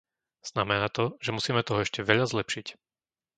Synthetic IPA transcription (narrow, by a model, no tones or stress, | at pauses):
z̥namɛnaːt̪ɔʒɛmusiːmɛt̪ɔɦɔɛʃcɛʋɛʎazlɛpʃic